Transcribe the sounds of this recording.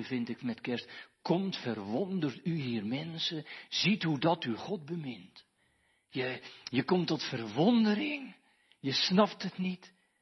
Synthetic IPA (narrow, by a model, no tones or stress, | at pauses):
əvɪntɪkmɛtkɛrstkɔmtfərʋɔndərtyɦiːrmɛnsəz̥ithudɔtyχɔt̚bəmɪnt | jəjəkɔmtɔtfərʋɔndəɾɪŋ | jəsnɑptətnit